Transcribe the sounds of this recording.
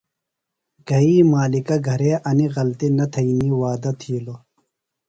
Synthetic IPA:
ɡ̥ɐiːmaːlikɐɡʱɐɾeːʔɐniɣɐlt̪inɐt̪ʰɐiniːwaːd̪ɐt̪ʰiːlo

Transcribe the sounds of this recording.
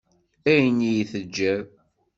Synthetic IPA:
æjənijiθəd͡ʒːæ

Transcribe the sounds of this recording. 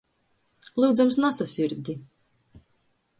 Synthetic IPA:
lˠuːd̪zamsnasasʲiɾd̪ʲi

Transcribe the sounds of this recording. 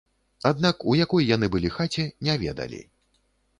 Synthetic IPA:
ad̪nakujakɔjːanɨbɨlʲixat͡sʲɛnʲavʲɛ̰d̪ɐ̰lʲḭ

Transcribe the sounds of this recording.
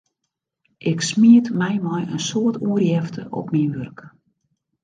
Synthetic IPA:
ʔɪksmiətmɛjmɔjənsoətʰuərjɛftʰəʔɔ̰pminʋørk

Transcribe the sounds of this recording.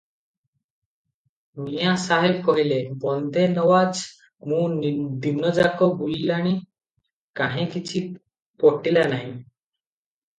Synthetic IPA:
mijãsaɦebkɔɦilebɔnd̪ʱenɔʋad͡z | mund̪inːəd͡zakɔbulilaɽ̃i | kaɦẽkitʰi | pɔʈilanaɦi

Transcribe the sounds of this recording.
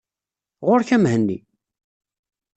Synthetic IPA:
ʁoɾçæmɦənːḭ

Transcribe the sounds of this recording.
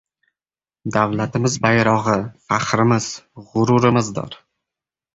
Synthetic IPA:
d̪awlat̪ʰɪmɪzbajɾɒʁɨfaχɾɪmɪz̥ʁʊɾʊɾɪmɪzd̪ɒ̰ɾ

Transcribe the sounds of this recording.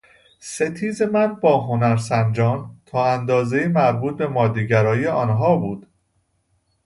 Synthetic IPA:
se̞t̪ʰiːze̞mænbɒːɦo̞næɾsænd͡ʒɒːnt̪ʰɒːænd̪ɒːzejimæɾbuːt̪̚be̞mɒːd̪iɟæɾɒːijeʔɒːnɦɒːbuːd̪̥

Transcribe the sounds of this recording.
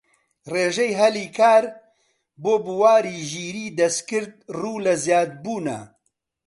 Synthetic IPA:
reːʒɛjɦɐliːkʰaːɾ | boːbuwaːɾiːʒiːɾiːd̪ɐskɨɾd̪̚ruːlɐzjaːd̪̚buːnɐ̰

